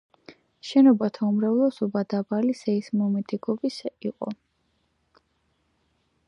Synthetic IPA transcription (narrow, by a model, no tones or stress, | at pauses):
ʃɛnɔbat̪ʰaumɾavlɛsɔbad̪abalisɛismɔmɛt̪ʰʼiɡɔbisiqʼɔ̰